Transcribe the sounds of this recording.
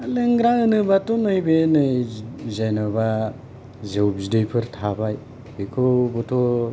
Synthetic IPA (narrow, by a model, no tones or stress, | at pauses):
lɯŋɡɾaɯnɯbatonojbenɯzajnɔba | zɯwbzidɯjpʰɯɾtʰabaj | bekʰobɔtʰɔ